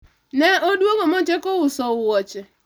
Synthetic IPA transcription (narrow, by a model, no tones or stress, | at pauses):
neoduoɡomot͡ʃekowʊsɔʊwɔt͡ʃɛ